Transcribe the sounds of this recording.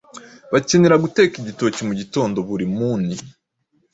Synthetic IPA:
βace̞neɾaɡute̞ːkiɟito̞ːcimuɟito̞ːndo̞βuɾimuːni

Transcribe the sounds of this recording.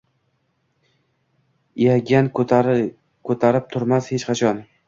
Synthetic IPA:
jaɡʲan | kʰɵt̪ʰaɾɪp̚t̪ʰʊɾmashet͡ʃqʰɑt͡ʃʰɒn

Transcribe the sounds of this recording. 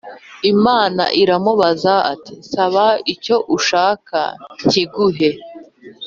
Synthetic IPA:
imaːna̰ʔiɾamuβazaa̰tisaβaico̞ʔuʃaːka̰ɲ̥ciɡuɦe

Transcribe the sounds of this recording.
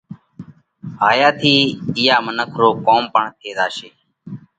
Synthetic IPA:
ɦaːjaːt̪ʰiːɪjaːmənəkʰɾoːkoːmpəɳt̪ʰeːd̪aːʃeː

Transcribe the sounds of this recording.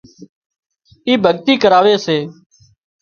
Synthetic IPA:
iːbʱəɠt̪iːkəɾaːʋeːseː

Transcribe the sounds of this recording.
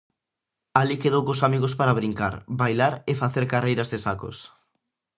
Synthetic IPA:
alikeð̞owkosamiɣ̞ospaɾaβɾiŋka̰ɾbajlaɾefaθeɾkarejɾɐzðɪsako̰s

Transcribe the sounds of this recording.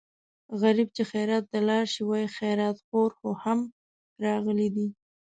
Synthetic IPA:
ɣaɾib̚t͡ʃexajɾɑt̪̚ːalɑɾʃiwɑjixajɾɑt̪xoɾxoham | ɾɑɣəlid̪i

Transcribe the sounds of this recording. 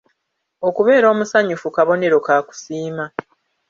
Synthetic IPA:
o̞kuβe̞ːɾo̞ːmusaɲufukaβo̞ne̞ɾo̞kaːku̥siːma

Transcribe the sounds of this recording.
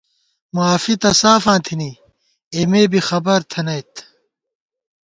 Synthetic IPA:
muaːfit̪ɐsaːfãːnt̪ʰini | emeːbixɐbɐɾt̪ʰɐnɐjt̪

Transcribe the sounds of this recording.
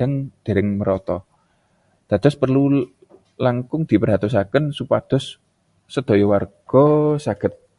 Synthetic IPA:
aŋd̪̥e̤ɾɪŋməɾɔt̪ɔ | d̪̥ä̤d̪̥ɔ̤spərlu | laŋkʊŋd̪̥i̤pərɦat̪us̬akənsupad̪̥ɔ̤sː | əd̪̥o̤jɔwarɡ̥ɔsaɡ̥ə̤t̪̚

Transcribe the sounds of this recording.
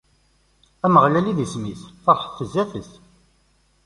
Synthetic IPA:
æməʁlæliðismiθfɑɾħə̥θːəzːæθəθ

